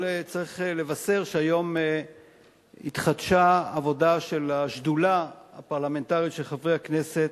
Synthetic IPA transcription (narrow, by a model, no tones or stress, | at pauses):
lt͡saʁiχle̞vase̞ʁʃeajo̞me | it̪χadʃaːvo̞daʃe̞laʃdulaapaʁlame̞ntaʁiʃeχavʁeakne̞se̞t